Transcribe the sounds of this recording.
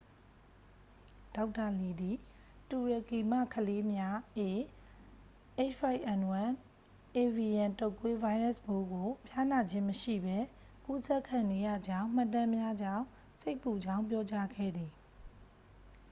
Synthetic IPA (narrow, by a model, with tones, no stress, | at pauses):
d̥a˦ʊtːa˨li˨d̪i˨ | tu˨ɹa˨ki˨ma̰˦˨kʰəle˦mja˦ʔe˨ | ʔe˦˨t͡ʃa˦ɪʔɛ̃˨nwã˨n | ʔe˨vi˨jã˨to˦˨kwe˦va˦ɪɹɛ˦˨sbo˦ɡo˨pʰja˦na˨d͡ʑɪ̃˦məʃḭ˦˨bɛ˦ | ku˦sɛ˦˨kʰã˨ne˦jä̰˦˨d͡ʑã˦ʊ̃m̥a˨tã˦mja˦d͡ʑã˦˨ | se˦ɪpːu˨d͡ʑã˦ʊ̃mpjɔ˦t͡ɕa˦ɡɛ̰˦˨d̪ði˨